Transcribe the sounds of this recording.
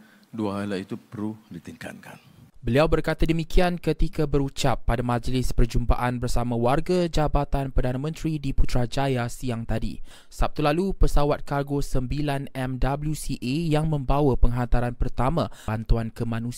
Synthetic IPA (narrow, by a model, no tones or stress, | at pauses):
duaalait̪upəɾudit̪iŋka̰t̪̚kʰan | bəliawbərkat̪adəmikiankət̪ikabəɾut͡ʃapːadamãd͡ʒlɪspərd͡ʒumba̰ʔanbərsamãwarɡad͡ʒabat̪anpərdanamə̃nt̪ɾidiput̪ɾad͡ʒajasiaŋt̪adḭ | sap̚t̪ulalupəsawat̪̚karɡosəmbilanɛmdabəljusiʔejaŋmə̃mbawapəŋɦant̪aɾanpərt̪amãant̪uankəmãnũs